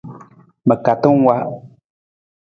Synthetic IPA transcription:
mə̃˨ka˨t̪ũ˦ŋ˦wa˦ʔ

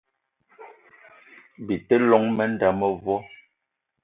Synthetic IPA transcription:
bi˨tɛ˦lɔ˨˦ŋmɛ˦n̩˦da˨mɛ˦vwɔ˦

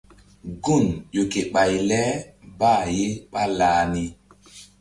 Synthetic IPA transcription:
ɡo˦˨nʄo˨ke˨ɓa˨jlɛ˦baː˦˨je˦ɓa˦laː˨˦ni˦

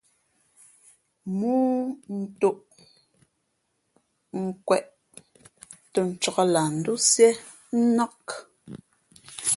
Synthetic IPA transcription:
muː˦n̩˨tu˦˨ʔ | ŋ̩˦kwɛ˨ʔ | tə˨n̩˨t͡ʃɔ˦˨ɣɔ˦la˨n̩˨du˦sjɛ˦ | n̩˦na˦k

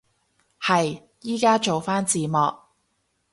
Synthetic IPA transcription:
hɐ˨j | jiː˥kaː˥t͡ʃo˨wfaː˥nt͡siː˨˧mɔ̰ː˨k̚

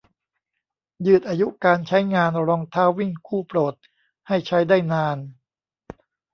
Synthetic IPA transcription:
jɯː˨˩t̪̚ʔaː˧ju˦˥kaː˧nt͡ɕʰa˦˥jŋaː˧nɾɔː˧ŋt̪ʰaː˦˥wːi˥˩ŋkʰuː˥˩pɾoː˨˩t̪̚ | ha˥˩jt͡ɕʰa˦˥jdaː˥˩jnaː˧n

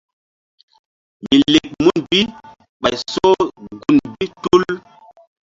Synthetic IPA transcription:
mi˨le˨k̚mu˦nbi˦ | ɓa˨jso˦ɡu˨nbi˦tu˦l

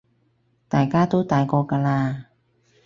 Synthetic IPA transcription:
t̪aː˨˦jkaː˥˩t̪uː˦˥t̪aː˨˩jkɔː˧ka˧laː˧

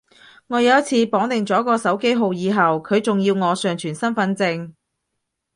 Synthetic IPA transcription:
ŋɔː˨˧jɐ˨˧wɐ˥t̚t͡sʰiː˨˧pɔː˨˥ŋt̪ɪ˨ŋt͡sɔː˨˥kɔː˧sɐ˨˥wke˥jɦo˨˧wjiː˨˧ɦɐ˨wkʰɵ˨˧ɥt͡sʊ˨ŋjiː˧wŋɔː˨˧sœː˨ŋt͡ʃʰyː˨˩nsɐ˥nfɐ˧˥nt͡sɪ˧ŋ

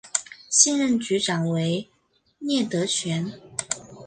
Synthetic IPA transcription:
ɕi˥˧nɻə˥˩nt͡ɕy˧˥ʈ͡ʂɑ˨˩ŋwe˧˥ɪ | njɛ˥˩t̪ɤ˧˥ɕɥɛ˧˥n

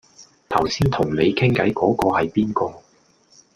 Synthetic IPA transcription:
t̪ʰɐ˨˩wsiː˥nt̪ʰʊ˨˩ŋne˨˧jkʰɪ˥ŋkɐ˨˥jkɔː˨˥kɔː˧hɐ˨jpiː˥nkɔː˧

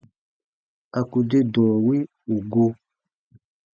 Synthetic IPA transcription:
a˨ku˨de˦dɔ̃˨ɔ˨wi˦ | u˨ɡo˧

